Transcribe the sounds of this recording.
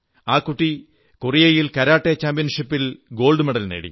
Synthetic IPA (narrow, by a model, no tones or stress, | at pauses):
aːkːuʈːi | kurijɐjilkɐɾaːʈːet͡ɕaːmpijɐnʂipːilɡo̞ːlɖɨmeɽɐlneːɽḭ